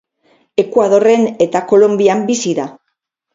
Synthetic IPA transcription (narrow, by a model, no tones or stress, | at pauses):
e̞kuað̞o̞re̞ne̞t̪ako̞lo̞mbiambisiða